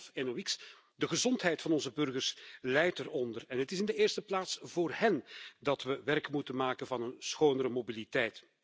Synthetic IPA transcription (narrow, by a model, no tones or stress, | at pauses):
fɛnowɪks | dəɣəzɔntɦɛjtfɑnɔnzəbɵrɣərslɛjtərɔndərɛnɦətɪsɪndəeːrstəplaːtsv̥oːrhɛndɑtʋəʋɛrkmutənmaːkənvɑnənsxoːnəɾəmobilitɛjt